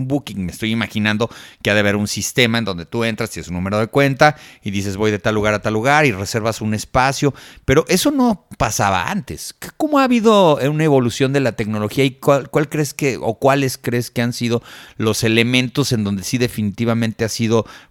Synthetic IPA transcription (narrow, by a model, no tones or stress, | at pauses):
mbukiŋmest̪o̞jimaxinãnd̪o̞keaðeβ̞e̞ɾunsist̪e̞maend̪o̞nd̪e̞t̪ue̞nt̪ɾast̪eesunːume̞ɾo̞ðe̞kwe̞nt̪aiðise̞zβo̞jðe̞t̪alːuɣaɾat̪alːuɣaɾire̞se̞ɾβasune̞spasjo̞pe̞ɾo̞ʔe̞so̞no̞pasaβa̰a̰nt̪eskko̞moaːβiðo̞unae̞βo̞lusjo̞nd̪e̞lat̪e̞kno̞lo̞xiaikakwalkɾe̞skeʔo̰kwale̞skɾeske̞ansið̞o̞lo̞se̞le̞mẽnt̪o̞se̞nd̪o̞nd̪e̞siðe̞finit̪iβamẽnt̪e̞asiðo̞